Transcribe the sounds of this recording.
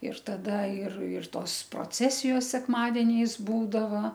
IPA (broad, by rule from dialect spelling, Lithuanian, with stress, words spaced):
ɪr tɐˈdɐ ɪr ɪr ˈtoːs proːˈt͡sʲæːsʲɪjoːs sʲɛkˈmɑːdʲɛnʲɛɪs ˈbuːdɐʋɐ